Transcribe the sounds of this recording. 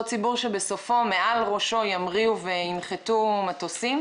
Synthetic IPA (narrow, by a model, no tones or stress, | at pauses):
t͡sibuʁʃebe̞so̞fo̞me̞ʔalʁo̞ʃo̞jamʁiuveinχet̪umatosim